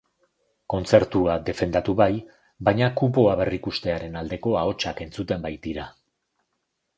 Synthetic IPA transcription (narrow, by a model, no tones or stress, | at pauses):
ko̞nt͡se̞ɾt̪uad̪e̞fe̞nd̪at̪uβaj | bajɲakupo̞aβ̞e̞rikust̪e̞aɾe̞nald̪e̞ko̞ao̞t͡ʃake̞nt͡sut̪e̞mbajt̪iɾa